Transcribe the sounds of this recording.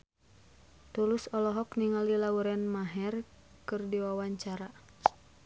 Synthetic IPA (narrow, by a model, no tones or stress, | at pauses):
t̪ulusɔlɔɦɔkniŋalilauɾɛnmaɦɛr | kɨrdiwawaɲt͡ʃaɾa